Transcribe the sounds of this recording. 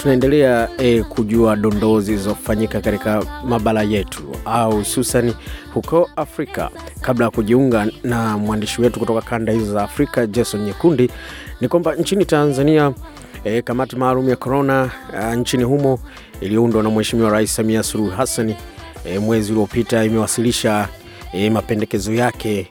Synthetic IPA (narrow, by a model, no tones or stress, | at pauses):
tunaɛndɛlɛaɛkʰuʄuaɗɔndɔzizɔfaɲikakatikamaɓalajɛtʰṵauhususanihukɔafɾika̰kablajakuʄiuŋɡanamwandiʃiwɛtukutɔkakandahizɔzaːfɾikad͡ʒɛsɔnɲɛkundinikwambaɲt͡ʃinitanzania | kamatimaːlumujakɔɾɔnant͡ʃinihumɔ | iliɔundwanamwɛʃimiwaɾaisi̥samiasuluhɦasanɛmwɛziuliɔpitaimɛwasiliʃa | mapɛndɛkɛzɔjakɛ